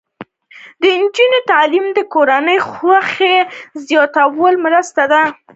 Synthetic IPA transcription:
d̪əɪnd͡ʒinot̪alimd̪əkoɾanəjxwaxezjɑt̪awəlmɾəst̪ad̪a

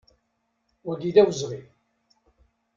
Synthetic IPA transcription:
ʊɾd̪iðæwəzʁi

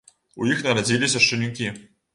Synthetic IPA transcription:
ujixnɐɾad͡zʲilʲisʲɐʂt͡ʂɨnʲikʲi

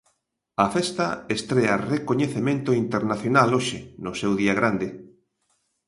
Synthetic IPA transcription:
ɐfɛst̪ɐest̪ɾɛarekoɲeθemẽnt̪oint̪eɾnaθjonaloʃenʊsewðiaɣɾand̪ɪ

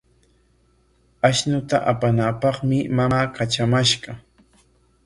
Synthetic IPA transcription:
aʃnʊt̪a̰ʔapanapɑχmɪmaaːkat͡ʃamaʃɢɑ

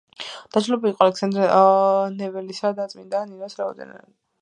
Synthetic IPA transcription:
d̪̥ad͡ʒlɛbikqʼɔalɛksand̪ɾɛnɛvɛlisad̪at̪sʼmind̪aninasɾaɔd̪ɛ̰na̰li

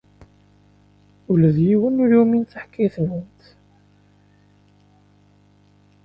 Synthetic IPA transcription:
uləðjiwənːuɾuminθəħkːiθnənt̪

